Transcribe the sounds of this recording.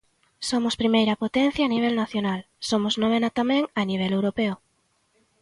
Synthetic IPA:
somʊspɾimejɾɐpot̪ẽn̟θjaːniβ̞elnaθjonal | somʊznoβ̞enat̪amẽŋaniβ̞ɛlewɾopeʊ

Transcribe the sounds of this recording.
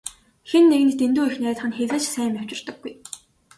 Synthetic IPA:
xenːeɣɘ̆nt̪t̪ent̪uːixnæːt̪χə̆nxeɮɘ̆t͡ɕsæːmjaw̥t͡ɕɪ̆rt̪ə̆ɡːuj

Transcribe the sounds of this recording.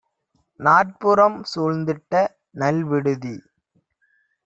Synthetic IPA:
naːʈ̚pʊɾɐmsɔɻnd̪ɪʈːɐ | nɐlʋɪɽɯði

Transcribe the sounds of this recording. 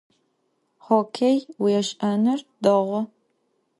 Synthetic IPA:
χokʰejwjɛɕʼɐnɨrdɐʁʷʊ

